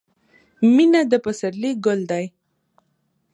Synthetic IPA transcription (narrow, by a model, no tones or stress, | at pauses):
minad̪əpəsaɾliɡʊld̪aj